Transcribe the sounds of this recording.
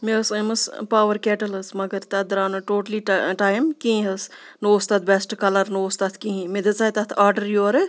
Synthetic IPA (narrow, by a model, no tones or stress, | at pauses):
meɐsɨmɐspaːʋɐɾkɛːʈɐlɐsmɐɡɐɾt̪ɐd̪ɾaːnɨʈoːʈɐliʈʈaːjmkĩɦɐs | noːst̪aːt̪ʰbesʈkɐlɐɾnoːst̪ɐt̪ʰkĩɦĩmed̪et͡saːt̪ɐt̪ʰaːɾɖɐɾjoɾɨ